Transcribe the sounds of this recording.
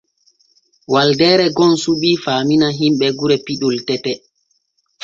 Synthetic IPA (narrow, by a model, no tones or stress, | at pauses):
waldɛːɾɛɡɔnsuɓiːfaːminaɦimɓɛɡuɾɛpiɗultɛtɛ